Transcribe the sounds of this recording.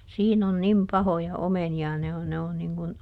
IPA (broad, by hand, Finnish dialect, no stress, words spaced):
siːn on nim pɑhojɑ omeniɑ ne on ne on niŋ kun